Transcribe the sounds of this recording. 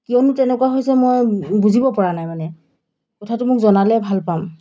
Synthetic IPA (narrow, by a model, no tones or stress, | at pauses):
kiɔnʊtɛnɛkuwaɦojsɛmojbuzibɔpɔɹanajmanɛ | kɔtʰatʊmʊkzɔnalɛbʱalpam